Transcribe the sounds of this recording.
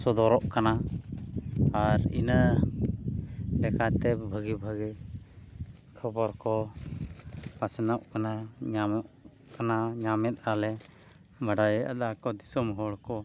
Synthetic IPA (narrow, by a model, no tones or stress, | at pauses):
sɔd̪ɔɾɔʔkana | aɾḭnə | lɛkat̪ɛbʱəɡibʱəɡi | kʰɔbɔɾkɔ | pasnaʔkanaɲamɔʔ | kanaɲamɛt̪̚alɛ | baɖajɛa̰d̪akɔd̪isɔmɦɔɭkɔ